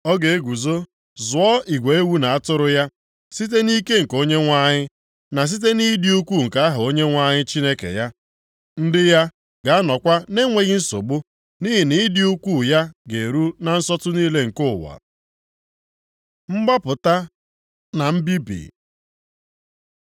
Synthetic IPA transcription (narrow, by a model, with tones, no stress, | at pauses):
ɔ˦ɡe˨e˦ɡʷu˨zo˦ | zʊ˨ɔ˦ʔi˨ɡʷe˨e˦wu˦na˨a˦tʊ˦ɾʊ˦ja˦ | si˦t̬e˦ni˦ke˦ŋ̩˨ko˦ɲe˦ŋʷa˦ɲɪ˦ | na˨s̬i˦t̬e˦ni˦di˦u˦kʷu˦˨ŋ̩˨ka˦a˦ɦʊ˨o˦ɲe˦ŋʷa˦ɲɪ˦t͡ʃi˦ne˦kḛ˨ja˦ | n̩˦dɪ˦ja˦ | ɡa˨˦a˦nɔ˨kʷa˦ne˦ŋʷe˨ɣi˦n̩˦so̰˨ɡ͡bʊ˦ | ni˦ɦɪ˨ni˦dɪ˦u˦kʷu˦˨ja˦ɡe˨ɾu˦na˨n̩˦sɔ˦tʊ˦niː˦le˦ŋ̩˨kʊ˦˨wa̰˨ | ŋ͡m̩˦ɡ͡ba˦pʊ˨ta˦ | na˨m̩˦bi˦bḭ˨